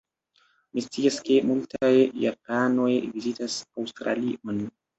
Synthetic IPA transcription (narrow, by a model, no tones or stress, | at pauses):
mist͡siaske̞multʰajːapano̞jvizitasawstɾa̰liʔo̞n